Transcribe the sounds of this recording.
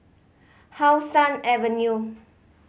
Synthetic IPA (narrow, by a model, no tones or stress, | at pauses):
hawsãnɛvə̃nju